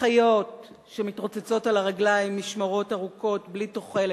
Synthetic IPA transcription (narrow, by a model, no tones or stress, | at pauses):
χajo̞t | ʃemitʁot͡set͡so̞talaʁaɡlajimːiʃmaʁo̞taʁuko̞tblito̞χe̞le